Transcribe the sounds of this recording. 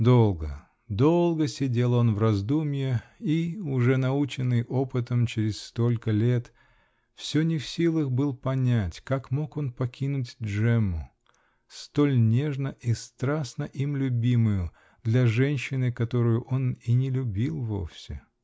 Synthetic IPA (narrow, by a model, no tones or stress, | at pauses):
d̪o̞lˠɡə | d̪o̞lˠɡəsʲɪdʲe̞lˠo̞nvrɐzd̪umʲjɪiʊʐɛnɐut͡ɕɪnːɨjʔo̞pɨt̪əmt͡ɕɪɾʲɪsst̪o̞lʲkəlʲe̞t̪ | fsʲɵnʲɪfsʲilˠəxbɨlˠpɐnʲætʲkakmo̞ko̞npɐkʲʰinʊtʲdʐɛmːʊ | st̪o̞lʲnʲe̞ʐnəʔist̪ɾasnəʔimlʲʊbʲimʊjʊ | d̪lʲɐʐɛnʲɕːɪnɨkɐt̪o̞ɾʊjʊʔo̞ninʲɪlʲʊbʲilˠvo̞̰fsʲɪ̰